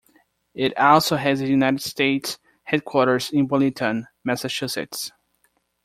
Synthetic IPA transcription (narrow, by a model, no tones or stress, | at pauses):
ɪɾɔlˠsoʊɦɨzɨjunaɪɾɨd̥steɪts | hɛd̚kʰwɔɹɾə˞zɪ̃nbʊlˠitʰə̃n | mɛsɨt͡ʃʉsɪ̰ts